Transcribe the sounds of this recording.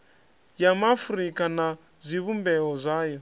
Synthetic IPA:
jamafuɾikʼana | zʷiβumbɛɔzʷaːjɔ

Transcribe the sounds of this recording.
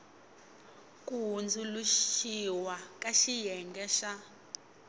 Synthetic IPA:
kʼuɦund͡zʱuluʃiwakʼaʃijɛŋɡɛʃa

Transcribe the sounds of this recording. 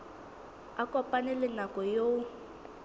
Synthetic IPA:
akʼɔpʼanɛlɪnakʼɔjo

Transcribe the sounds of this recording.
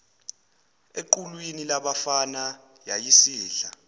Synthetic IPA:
eǃulwinilaɓafana | jajisiːɬa

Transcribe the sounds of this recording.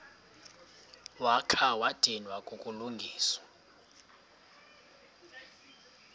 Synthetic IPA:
wakʰawad̥ʱinwakʼokʼuluŋɡʱiːswa

